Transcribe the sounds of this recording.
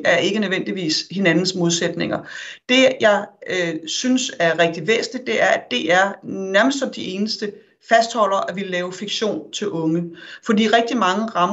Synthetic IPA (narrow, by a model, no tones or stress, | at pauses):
æɐe̝ɡ̥ənøʋen̰d̥iʋḭːshe̝nænn̩smo̝ðˠsed̥ne̝ŋɐd̥e̝jɑ̈ɪøsynsæɐʁɛɡ̥̚d̥iʋḛːsn̩li̥e̝æɐæd̥e̝ʔæɐnæɐməsd̥sɒ̽md̥ie̝ːnəsd̥ə | fæsd̥hɒ̽l̰ɐʔæʋellɛːʊfiɡ̥ɕo̝̰ːnt͡sʰe̝lʔɔ̽ŋəfɒ̽d̥ḭːʁɛɡ̥̚d̥imɑ̈ŋəʁɑ̈m